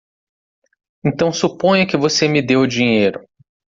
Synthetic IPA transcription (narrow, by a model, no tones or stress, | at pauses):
ẽnt̪ɐ̃w̃supõjɐkɪvosemɪd̪ewd͡ʒĩɲejɾʊ